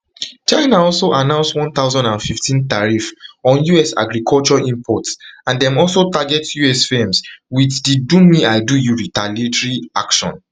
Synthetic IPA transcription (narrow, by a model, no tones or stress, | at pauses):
t͡ʃaɪnaɔlsoʔanãʊ̃nswɔ̃nθaʊzɔ̃ndãnfiftʰĩntaɹifɔ̃njuɛsa̰ɡɹikʰɔlt͡ʃɔĩmpʰɔtsãndɛ̃mɔlsotaɡɛtjuɛsfẽmswitdidũniaɪdujuɹitaletɹia̰kʃɔ̰̃n